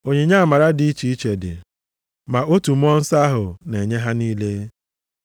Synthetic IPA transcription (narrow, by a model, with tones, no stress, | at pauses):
o˨ɲe˨ɲa˦˨ma˨ɾa˦dɪ˨i˦t͡ʃi˨˦i˦t͡ʃe˨dɪ̰˨ | ma˨o˦tu˨m̩˦ɔ˦n̩˦sa˦ɦʊ˨ne˨ɲe˦ɦa˦niː˦le˦